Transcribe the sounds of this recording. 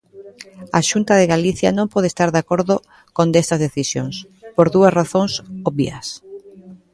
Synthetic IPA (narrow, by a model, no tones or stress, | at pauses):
a̰ʃunt̪ɐðeɣaliθjɐnõmpɔð̞est̪aɾðakoɾðʊ | kond̪est̪ɐzðeθisjo̰ŋs | poɾðuɐsraθõŋsoβḭɐs